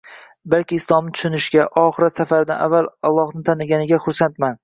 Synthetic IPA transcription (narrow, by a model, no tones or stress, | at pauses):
balkʲɪːslˠɒmnɪt̪ʰʊ̥ʃʊnɪʃɡʲaʔɒχɨɾat̪safaɾɪd̪a̰navːalɒlˠːɒhnɪt̪ʰanɪɡʲanɪɡʲaχʊɾsant̪man